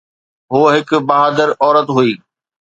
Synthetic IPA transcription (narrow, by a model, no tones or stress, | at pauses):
ɦuːɦɪkbɐɦaːd̪əɾɔːɾət̪ɦuiː